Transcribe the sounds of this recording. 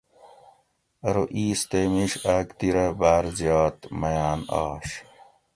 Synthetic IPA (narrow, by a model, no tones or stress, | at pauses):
ɐɾoʔiːst̪emiɕaːkt̪iɾɐbaːɾzjɑːt̪mɐjaːnɑ̰ːɕ